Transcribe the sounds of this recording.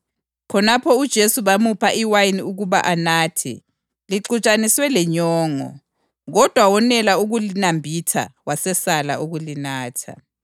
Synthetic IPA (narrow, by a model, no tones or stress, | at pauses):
kʰɔnapʰɔud̥ʒ̥ʱesuβamupʰaʔiwajiniuɣuβaʔanaːtʰɛ̰ | liǃut͡ʃʼaniswɛlɛɲɔːŋɔ̰ | ɣɔd̥ʱwawɔnɛlauɣulinambʱitʰa̰wasɛsala̰ʔuɣulinaːtʰa̰